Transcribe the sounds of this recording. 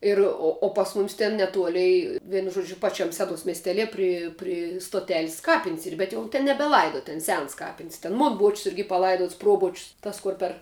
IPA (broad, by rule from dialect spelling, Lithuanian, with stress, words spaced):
ˈɪr oː oː pɐs ˈmʊmʲɪs tʲɛn nʲɛˈtuɔlʲɛɪ ˈʋʲiɛnʊ ˈʒuɔd͡ʒʲʊ ˈpɑːˈt͡ʃʲɛm ˈsʲæːdoːs mʲiɛsʲˈtʲæːlʲiɛ ˈpʲrʲɪ ˈpʲrʲɪ stoːˈtʲæːlʲɪs ˈkɑːpʲɪnʲsʲ ˈiːr bʲɛt jɛʊ ˈtʲɛn nʲɛbʲɛˈlˠɐɪdoː ˈtʲɛn ˈsʲɛns ˈkɑːpʲɪnʲsʲ tʲɛn ˈmoːn boːt͡ʃʲsʲ ˈɪrʲɡʲɪ pɐˈlˠɐɪduɔts ˈproːboːt͡ʃʲsʲ ˈtɐs ˈkʊr pʲɛr